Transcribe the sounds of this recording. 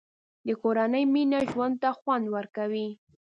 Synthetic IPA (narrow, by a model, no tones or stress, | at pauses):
d̪əkoɾanəjminaʒwand̪̚t̪axwand̪waɾkawi